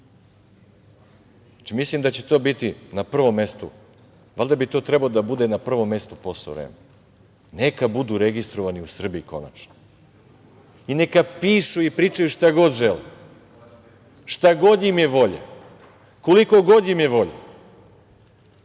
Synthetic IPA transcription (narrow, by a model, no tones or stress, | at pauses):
at͡ʃimislimd̪at͡ɕet̪o̞ːbit̪inapr̩ʋo̞mːe̞st̪ṵ | ʋalʲd̪abit̪o̞ːt̪ɾe̞baod̪abud̪e̞napr̩ʋo̞mːe̞st̪uposo̰ɾḛːme | ne̞kabud̪uːɾe̞ɡist̪ɾoʋaniusr̩biiko̞̰na̰t͡ʃno̥ | inekapiːʃuipɾiːt͡ʂajuʃt̪aɡo̞d̪ʒelḭ | ʃt̪aɡo̞d̪jimjeʋo̞ʎa̰ | koliko̞ɡo̞d̪jimjeʋo̞ʎa̰